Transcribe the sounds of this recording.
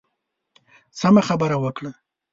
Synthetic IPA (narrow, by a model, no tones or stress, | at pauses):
samaxabəɾawəkɽa